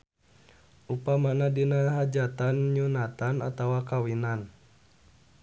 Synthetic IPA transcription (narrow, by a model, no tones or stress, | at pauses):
ʔupamanadinaɦad͡ʒat̪anɲunat̪ana̰t̪awakawinan